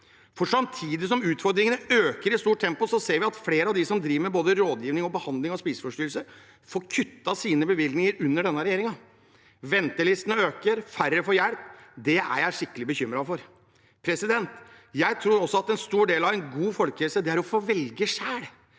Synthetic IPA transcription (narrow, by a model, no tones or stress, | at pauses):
fɔʂɑmt̪ʰiːd̪ɪs̬ɔmʉːt̪fɔɾd̪ɾɪŋənəøːkəɾɪst̪uːʈ̪̚ʰɛmpʊsɔseːɾʋɪɑt̪fleːɾəɑʋd̪ɪsɔmd̪ɾiːʋəɾmɛboːd̪əɾoːd̪jiːʋnɪŋɔbəhɑnd̪lɪŋɔspiːsfɔʂʈyːlsə | foːɾkʰʉt̪ːɑsiːnəbəʋɪlɡnɪŋəɾʉnːəɖɛnːɑɾɛjeːɾɪŋɑ | ʋɛnt̪əlɪst̪ənəøːkəɾfæɾːəfɔjæɽpd̪ɛæ̰jæɪʂɪkːəlɪbəçʏmɾɑfɔɾ | pʰɾɛsɪd̪ɛnt̪ | jæɪt̪ʰɾuːɾɔsɔɑt̪ɛnst̪uːɖeːlɑʋæɪnɡuːfɔlkəɛlsəd̪ɛæɾɔfoːʋɛlɡəʂæːɽ